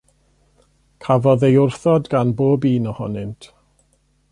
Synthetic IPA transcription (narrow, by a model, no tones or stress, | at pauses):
kʰavɔðejʊrθɔdɡanboːbiːnɔhɔ̰nɨntʰ